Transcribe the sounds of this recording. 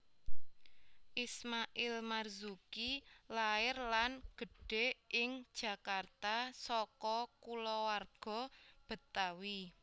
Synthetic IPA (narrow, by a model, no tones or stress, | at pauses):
ʔismaʔɪlmarzukilaɪrlanɡ̥ə̤ɖ̥e̤ʔɪŋd̥ʒ̥ä̤kart̪asɔkɔkulɔwarɡ̥ɔ̤b̥ə̤t̪awi